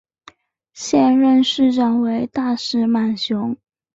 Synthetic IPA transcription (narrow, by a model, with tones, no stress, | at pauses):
ɕjɛ˥˧nɻə˥˧nʂɻ̩˥˧ʈ͡ʂɑ˨˩ŋwe˧˥ɪt̪a˥˧ʂɻ̩˥˩ma˨˩nɕjʊ˧˥ŋ